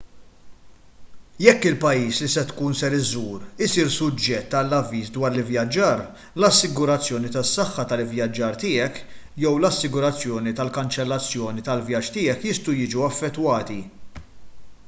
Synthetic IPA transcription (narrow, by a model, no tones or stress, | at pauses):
jɛkːɪlpɐjiːslisɛt̪kuːnsɛɾɪzuːɾɪsiːɾsʊd͡ʒːɛt̪ːɐlːɐvːiːsd̪wɐːɾlɪvjɐd͡ʒːɐːɾ | lɐsːɪɡʊɾɐt͡sːjɔːnit̪ɐsːɐħːɐt̪ɐlvjɐd͡ʒːɐːɾt̪ɪːɛk | jɛwlɐsːɪɡʊɾɐt͡sːjɔːnit̪ɐlkɐnt͡ʃɛlːɐt͡sːjɔːnit̪ɐlvjɐt͡ʃːt̪ɪːɛkjɪst̪ujɪːd͡ʒuɐfːɛt̪ːwɐːt̪i